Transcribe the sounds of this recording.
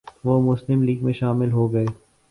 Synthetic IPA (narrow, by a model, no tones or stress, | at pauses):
ʋoːmʊslɪmliːɡmẽʃaːmɪlɦoːɡɐeː